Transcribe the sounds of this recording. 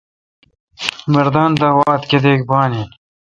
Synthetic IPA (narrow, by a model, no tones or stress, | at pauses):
mɐɾd̪ɑːnd̪ɐwɑːt̪ked̪eːk̚bɑːnin